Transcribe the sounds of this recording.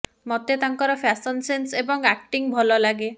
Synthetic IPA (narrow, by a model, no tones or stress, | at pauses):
mɔt̪et̪aŋkɔɾɔpʰasɔnsensebɔŋak̚ʈiŋbʱɔlɔlaɡe